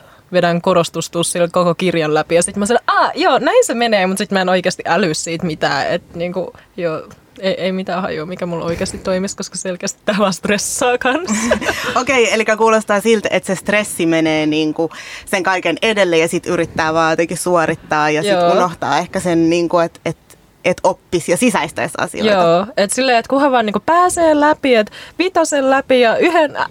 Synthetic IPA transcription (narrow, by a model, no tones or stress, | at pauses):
ʋedæŋkoɾost̪ust̪ussilkokokirjɑllæpijɑsit̪mɑisɑneʔɑːjoːnæinsemeneːmut̪sit̪mæenoikeːst̪iʔælyssiːt̪mit̪æ̰ːḛt̪niːŋkujoː | eiʔeimit̪æːhɑ̰jumikæmulʔo̰ikeːst̪itt̪oimiskoskɑselkeːst̪i̥t̪t̪æːʋɑːst̪resːɑːkɑnsokeielikːækuːlost̪ɑːsilt̪ḛt̪sest̪resːimeneːniːŋkuseŋkɑikenedelːejɑsit̪yrit̪ːæːʋɑːet̪eŋkissuorit̪ːɑːjɑsiunoht̪ɑ̰ːehkæsenniːŋkuet̪et̪ | ʔet̪opːisjɑsisæist̪æ̰sɑ̰sḭoj̰oːet̪silːeːet̪kuheʋɑːniːŋkupæːseːlæpiet̪ʋit̪osellæpijɑyhen